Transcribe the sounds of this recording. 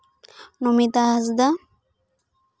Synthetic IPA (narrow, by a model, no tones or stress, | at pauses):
nomit̪aazd̪a